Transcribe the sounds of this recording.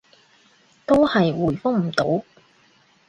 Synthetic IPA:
t̪o˥whɐ˨jwuː˨˩jfʊ˥ŋm̩˨˩t̪o˨˥w

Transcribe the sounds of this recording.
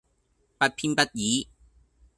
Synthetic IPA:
pɐ˥t̚pʰiː˧npɐ˥t̚jiː˨˦

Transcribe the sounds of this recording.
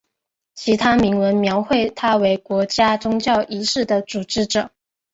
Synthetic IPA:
t͡ɕʰi˧˥t̪ʰa˥mi˧˥ŋwə˧˥nmjɑ˧˥ʊxwe˥˩ɪt̪ʰa˥we˧˥ɪkwɔ˧˥t͡ɕja˥ʈ͡ʂʊ˥ŋt͡ɕjɑ˥˩ʊʔi˧˥ʂɻ̩˥˩d̪ə˩ʈ͡ʂu˨˩ʈ͡ʂɻ̩˧˥ʈ͡ʂɤ˨˩˦

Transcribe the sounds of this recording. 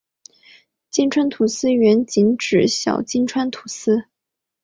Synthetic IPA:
t͡ɕi˥nʈ͡ʂʰwa˥nt̪ʰu˨˩sɹ̩˥ɥɛ˧˥nt͡ɕi˧˥nʈ͡ʂɻ̩˨˩ɕjɑ̰˨˩ʊt͡ɕi˥nʈ͡ʂʰwa˥nt̪ʰu˨˧˩sɹ̩˥

